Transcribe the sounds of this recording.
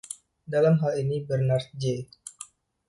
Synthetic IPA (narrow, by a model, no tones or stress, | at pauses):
dalamɦalinibərnar̚d͡ʒe